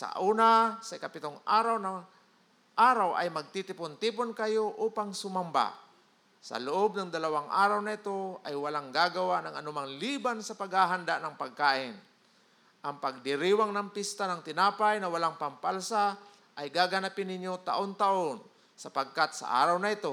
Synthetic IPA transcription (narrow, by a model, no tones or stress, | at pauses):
sa̰ʔuːnasaɪkapɪt̪oŋaːɾawna | ʔaːɾawʔa̰jmɐɡ̚t̪it̪ɪpont̪iponkajoʔuːpaŋsʊmamba̰ | sɐ̰lʊʔob̚naŋd̪ɐlawaŋʔa̰ːɾawnaɪt̪oajwalaŋɡaːɡawaʔnaŋa̰nʊmaŋliːbansɐpaɡhaɦand̪aʔnɐŋpaɡ̚kaːʔɪn | ʔaŋpaɡ̚d̪ɪɾiwaŋnaŋpɪst̪anaŋt̪ɪnaːpajnɐwalaŋpampalsa | ʔajɡaɡanapɪnɪɲjot̪aʔont̪aʔon | sɐpaɡ̚kat̪sa̰ʔa̰ːɾawnɐɪt̪o